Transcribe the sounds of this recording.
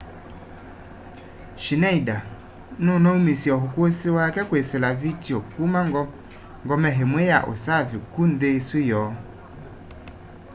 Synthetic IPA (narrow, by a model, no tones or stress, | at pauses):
ʃinaida | nunɔumesiɔɦukʷosiwakɛkwesɪlavitiɔkumaŋɡɔ | ŋɡɔmɛɦemweja̰ʔo̰savikun̩desujɔː